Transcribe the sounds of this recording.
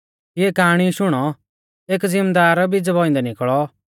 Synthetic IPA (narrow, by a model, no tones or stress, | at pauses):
eːkaːɽ̃iʃʊɽ̃ɔ | eːkzɪmd̪aːɾbid͡zbɔːɪ̃nd̪ɛnɪkɭɔ